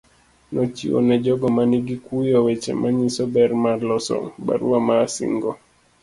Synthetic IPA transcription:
nɔt͡ʃḭo̰nɛd͡ʒɔɡɔmaniɡikujɔwet͡ʃɛ̰mʔaɲisɔbɛrmarlɔsɔ̰ŋba̰ɾṵamasḭŋɡɔ

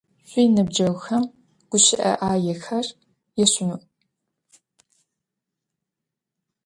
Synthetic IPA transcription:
ɕʷʼijnɨb̚d͡ʒɐwxɐm | ɡ̥ʷʊɕɪʔɐ̰ʔaːjɛxɐr | jɛɕʊnuʔ

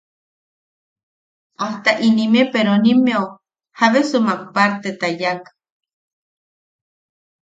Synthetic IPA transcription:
aht̪aʔinĩmepeɾõnĩmeo | haβesɨmãkpaɾt̪et̪ajak

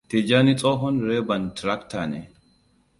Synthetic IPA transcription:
t̪ɛd͡ʒanɪt͡sʼɔːɦɔnɾeːbɐnt̪ɾɐkt̪anɛ

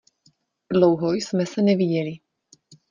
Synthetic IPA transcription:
dlɔwɦɔjsmɛsɛnɛviɟɛli

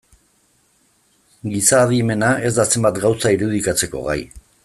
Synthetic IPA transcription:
ɡisaːðime̞nae̞zd̪ase̞mbat̪ɡawsaiɾuð̞ikat͡se̞ko̞̰ɣa̰j

